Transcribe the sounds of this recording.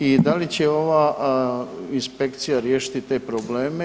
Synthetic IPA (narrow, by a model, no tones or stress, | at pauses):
id̪alit͡ɕe̞o̞ʋaː | inspe̞kt̪sijaɾjeːʃi̥t̪it̪e̞ːpɾo̞ble̞ːme